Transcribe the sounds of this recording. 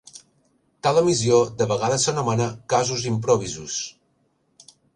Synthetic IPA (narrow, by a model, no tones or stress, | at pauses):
t̪aləmiziod̪əβəɣaðəsənumanəkazuzimpɾoβ̞izus